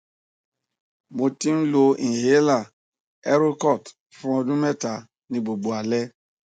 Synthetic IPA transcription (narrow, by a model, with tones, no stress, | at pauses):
mo˨ti˦n̩˦lo˧˨ĩ˨ɦe˦la˦˨ | ɛ˦ɾu˦kɔ˦˨t | fʊ̃˦ɔ˧dũ˦mɛ˦ta˨ | nĩ˨ɡ͡bo˨ɡ͡bo˨a˨lɛ˦